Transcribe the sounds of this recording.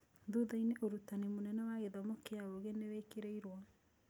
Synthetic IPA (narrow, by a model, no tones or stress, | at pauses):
ðuðaineʔoɾutanimonɛnɛwaɣeðɔmokeaoɣenewekeɾeiɾwa